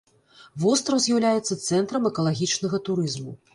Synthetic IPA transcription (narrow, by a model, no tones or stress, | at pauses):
vɔst̪ɾɐwzʲjawlʲajɛt̪sːɐt̪sɛnt̪ɾɐmɛkɐlˠaɣʲit͡ʂnɐɣɐt̪uɾɨzmu